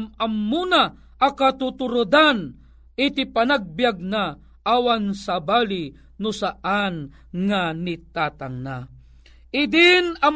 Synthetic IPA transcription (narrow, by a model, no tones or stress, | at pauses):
mɐmːuna | ʔɐkat̪ut̪ʊɾʊd̪an | ɪt̪ɪpanaɡ̚bjaɡ̚na | ʔawansabaːlɪ | nʊsaʔan | ŋanɪt̪aːt̪aŋna | ʔɪd̪ɪnɐm